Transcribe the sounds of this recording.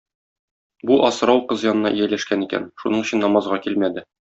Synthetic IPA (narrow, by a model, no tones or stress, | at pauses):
buʔɒsɾɑwqɤzjɒnɤ̆nɑ̰ʔijælæʃkænikæ̰nʃunɤɴɵ̆ɕɘnːɒmɑzʁɑkilmæd̪ɘ